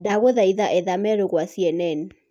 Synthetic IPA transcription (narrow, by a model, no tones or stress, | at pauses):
daɣoðaiðaʔɛðamɛɾoɣwasiɛnɛn